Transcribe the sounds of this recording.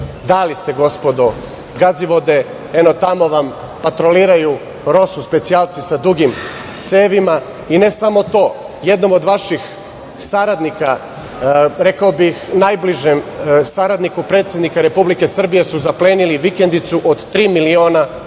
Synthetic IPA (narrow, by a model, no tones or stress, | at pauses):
d̪alist̪e̞ɡo̞spod̪o | ɡaziʋo̞d̪e̞ | eno̞t̪amo̞ʋam | pat̪ɾo̞liːɾaju | ɾo̞suspe̞t̪sialˠt̪sisad̪ɾuɡim | t̪se̞ːʋima | ine̞samo̞t̪o̞ː | je̞d̪no̞mo̞d̪ʋaʃix | saɾad̪nika | ɾe̞kaobixnajbliʒemsaɾad̪nikupɾe̞t̪sje̞d̪nikaɾe̞publike̞sr̩bije̞suzapleːniliʋike̞nd̪it̪suʔod̪t̪ːɾiːmilio̞ːna